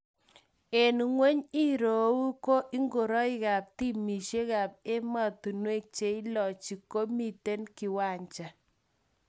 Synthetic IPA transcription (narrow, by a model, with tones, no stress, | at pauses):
e˨n˨ŋwe˦ɲi˦ɾo˨wu˦ko˦ʔi˦ŋɡo˨ɾɔ˦i˦ka˨p̚ti˦mi˨ʃe˦ka˨p̚e˦ma˨tu˨nwe˦k̚t͡ʃe˨˦i˦lɔ˨t͡ʃi˨ko˦mi˨te˦nki˨wa˦˨ɲt͡ʃa˨